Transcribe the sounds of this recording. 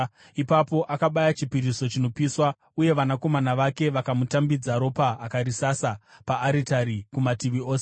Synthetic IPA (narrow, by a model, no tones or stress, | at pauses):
ipapo̞ʔakaɓajat͡ʃipiɾiso̞t͡ʃino̞piswa | uje̞ʋanako̞manaʋake̞ʋakamutambid͡zaɾo̞paːkarisasapaːɾitaɾikumatiʋio̞ːse